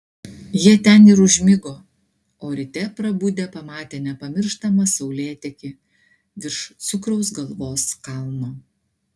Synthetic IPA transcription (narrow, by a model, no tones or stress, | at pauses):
jiɛt̪ʲɛnɪɾʊʒʲmʲɪɡoː | oːɾʲɪt̪ʲɛpɾɐbud̪ʲepɐmɑːt̪ʲeːnʲɛpɐmʲɪɾʃt̪ɐmɐsɒʊlʲeːt̪ʲɛkʲɪ | ʋʲɪɾʃt̪sʊkɾɔʊs̬ɡɐlˠʋoːskɐlˠmoː